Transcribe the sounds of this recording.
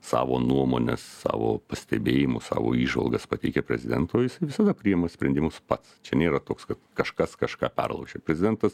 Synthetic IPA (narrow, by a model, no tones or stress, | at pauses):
sɑ̰ːʋoːnuɔmoːnʲɛsːɑ̰ːʋo̰ːpɐsʲt̪ʲɛbʲeːjɪmʊsɑ̰ːʋo̰ːiːʒʋɐ̰lˠɡɐspɐt̪ʲɛɪkʲɛpʲɾʲɛ̰zʲɪd̪ʲɛnt̪oːjɪsɐɪʋʲɪsɐd̪ɐpʲɾʲɪjɛmɐsʲpʲɾʲɛnd̪ʲɪmʊspɐt̪st͡ʃʲɛnʲeːɾɐt̪oːkskɐt̪kɐʃkɐskɐʃkɑːpʲɛ̰rlˠɐ̰ʊʒʲepʲɾʲɛzʲɪd̪ʲɛnt̪ɐs